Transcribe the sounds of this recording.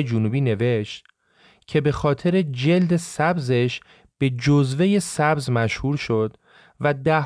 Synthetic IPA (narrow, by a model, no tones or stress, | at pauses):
ed͡ʒunuːbiːne̞ve̞ʃt̪ | cʰe̞be̞xɒːt̪ʰe̞ɾe̞d͡ʒe̞ld̪e̞sæbze̞ʃ | b̥e̞d͡ʒozveje̞sæbzmæʃhuːɾʃo̞d̪̥ | væd̪æh